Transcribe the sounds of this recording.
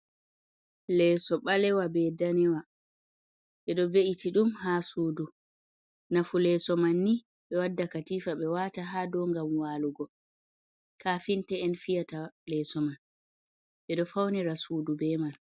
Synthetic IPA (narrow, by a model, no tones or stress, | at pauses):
lɛːsɔɓalɛwabɛdanɛwa | ɓɛɗɔveʔitiɗumhasuːdu | nafulɛsɔmanːi | ɓɛwadːakatiːfaɓɛwataɦaːdɔŋɡamwaluɡɔ | kafintɛɛnfijatalɛsɔman | ɓɛɗɔfawnɛɾasuːdubɛmal